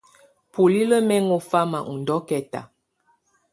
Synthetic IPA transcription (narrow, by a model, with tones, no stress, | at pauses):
pu˨li˦lə˦mɛ˦ŋo˦fa˦ma̰˨ŋu˨n˨dɔ˦kɛ˨ta̰˨